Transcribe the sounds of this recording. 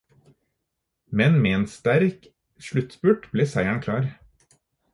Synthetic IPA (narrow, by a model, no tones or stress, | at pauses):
mɛnmeːeːnst̪æɾk | ʃɭʉt̪spʉʈbleːsæɪæɳkʰlɑːɾ